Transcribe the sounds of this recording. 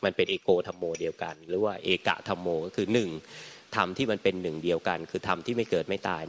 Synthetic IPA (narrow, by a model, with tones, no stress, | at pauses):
ma˧npe˧nʔeː˧koː˧t̪ʰa˧mːoː˧di˧əwka̰˧nɾɯː˦˥waː˥˩ʔeː˧ka̰˨˩ʔt̪ʰa˧mːoː˧kɔː˥˩kʰɯː˧nɯ˨˩ŋt̪ʰa˧mt̪ʰiː˥˩ma˧npe˧nːɯ˨˩ŋdi˧əwka˧nkʰɯː˧t̪ʰa˧mt̪ʰiː˥˩ma˥˩jkɤː˨˩t̪̚ma˥˩jt̪a̰ː˧j